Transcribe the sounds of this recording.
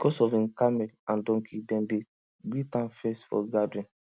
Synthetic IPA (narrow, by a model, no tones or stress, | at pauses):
bikɔsɔfĩkamɛlãndɔ̃ŋkʰidɛ̃nde | ɡitãnfɛsfɔ̰ɡadĩn